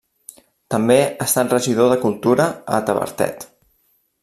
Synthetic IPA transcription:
t̪əmbeəst̪at̪rəʒið̞oðəkulˠt̪uɾəə̰t̪əβə̰ɾt̪ɛ̰t̪

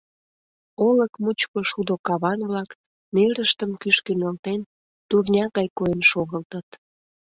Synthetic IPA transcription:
oləkmut͡ɕkoʃud̪okɑβɑnβlɑk | neɾəʃt̪əmkyʃkenəlt̪en | t̪urnʲɑɣɑjkoenʃoɣəlt̪ət̪

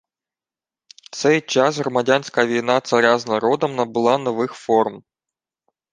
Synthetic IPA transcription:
t̪sɛjt͡ʃɑsɦɾɔmɐdʲanʲsʲkɐʋʲijnɑt̪sɐɾʲaznɐɾɔd̪ɔmnɐbʊlˠɑnɔʋɪxfɔrm

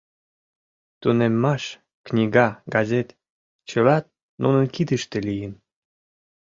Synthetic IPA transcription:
t̪unemːɑʃ | knʲiɡɑɡɑzʲet̪ | t͡ɕəlɑt̪̚ | nunənkid̪əʃt̪elijən

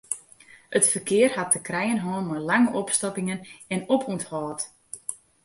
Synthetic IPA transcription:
ətfərkɪərhat̚əkrɛjənɦɔːnmalaŋəʔɔpstɔpɪŋənɛnopʰuthɔːt

